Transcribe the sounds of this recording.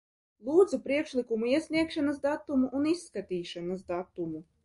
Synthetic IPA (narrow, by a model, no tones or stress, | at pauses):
lˠuːd̪zupɾiɛkʃlʲˠikumuiɛsʲnʲiɛkʃanɐsd̪at̪ːumuʔunisːkat̪iːʃanɐsd̪at̪umu